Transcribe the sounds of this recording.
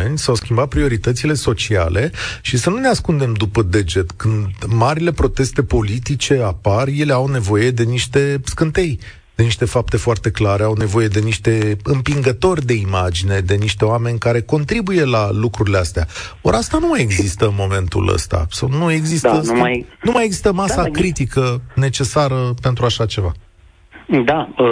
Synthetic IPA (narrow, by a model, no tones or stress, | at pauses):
enʲsawskʲimbat̪̚pɾio̞ɾit̪ət̪sile̞so̞t͡ʃia̰lʔeʃisənune̞askund̪e̞md̪upəd̪e̞d͡ʒe̞t̪kɨnd̪maɾile̞pɾo̞t̪e̞st̪e̞po̞lit̪it͡ʃe̞aparje̞le̞awne̞vo̞je̞d̪e̞niʃt̪e̞skɨnt̪e̞j | d̪̥e̞niʃt̪e̞fap̚t̪e̞foart̪e̞klaɾe̞awne̞vo̞je̞d̪e̞niʃt̪e̞ɨmpiŋɡət̪o̞rʲd̪e̞imad͡ʒine̞d̪e̞niʃt̪e̞oame̞nʲkaɾe̞ko̞nt̪ɾibuje̞lalukɾuɾileast̪eao̞̰ɾast̪anumaje̞ɡzist̪əmo̞me̞nt̪ṵlə̰st̪a̰sawnue̞ɡzist̪ənumajeɡzist̪əmasakɾit̪ikəne̞t͡ʃe̞saɾəpe̞nt̪ɾuaʃat͡ʃe̞va̰ | d̪aə